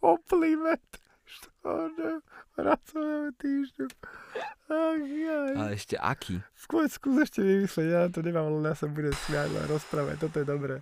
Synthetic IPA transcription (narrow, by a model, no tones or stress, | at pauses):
kɔplimɛt̪ | ʃt̪ɔ̰nɛpɾat͡sɔʋɛɛt̪iːʒɲu | axajalɛɛʃcɛ̰ʔa̰kʰḭskʊɔskuːzɛʃcɛʋimisliɛɟjanat̪̬ɔɲɛmaːmlɛnasabuɟɛmsʋɪaɾlɛ̰ɾɔspɾaːʋa̰ct̪ɔt̪̬ɔjɛd̪ɔbɾɛː